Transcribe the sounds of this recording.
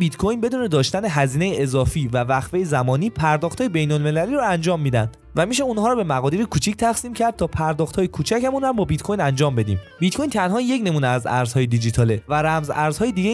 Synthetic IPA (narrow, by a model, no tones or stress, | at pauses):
bit̪kʰo̞jnbe̞d̪uːne̞d̪ɒːʃt̪æneɦæziːne̞jeʔezɒːfiːvævæxvejezæmɒːniːpʰæɾd̪ɒːxt̪hɒːjebe̞jnolme̞læliːɾɔænd͡ʒɒːmːiːd̪ænd̪̥ | væmiʃ̬e̞unhɒːɾɔːbe̞mæɣɒːd̪iːɾekʰuːt͡ʃʰict̪ʰæxsiːmcʰæɾd̪̚t̪ʰɒːpʰæɾd̪ɒːxt̪hɒːjekʰuːt͡ʃʰæcæmunhæmbɒːbit̪kʰo̞jnænd͡ʒɒːmbe̞d̪ḭːmbit̪kʰo̞jnt̪ʰænɦɒːje̞cne̞muːneæzæ̰ɾz̥hɒːjed̪id͡ʒit̪ʰɒːlevæɾæmzæɾz̥hɒːjed̪iɟe